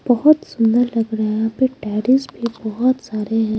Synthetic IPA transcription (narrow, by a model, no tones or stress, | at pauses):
b̥ɐɦʊt̪sʊ̃nd̪əɾlɐɡɾɐɦapeʈɛːɾɪsbʱibɔɦʊt̪saːɾeɦɛ̃